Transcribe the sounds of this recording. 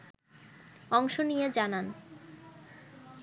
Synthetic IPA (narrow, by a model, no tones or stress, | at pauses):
ɔŋʃonijed͡ʑanan